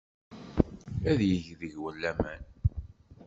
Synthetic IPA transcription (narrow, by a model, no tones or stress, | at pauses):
æðjəʝðəʝwəlːæmæn